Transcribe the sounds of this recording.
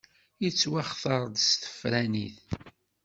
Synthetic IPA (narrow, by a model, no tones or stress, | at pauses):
jit͡sːwaχθəɾˤd̪st̪ə̥fɾæniθ